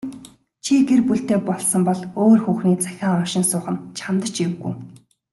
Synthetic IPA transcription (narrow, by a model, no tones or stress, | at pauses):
t͡ɕʰiɡerpuɬt̪eːpɔɮsɞ̆mpɔɮoːrxuːxniːt͡sʰæ̥xʲaːŋɔʃɪ̆nsʊːχə̆nt͡ɕʰamt̪ə̆t͡ɕiwɣṵj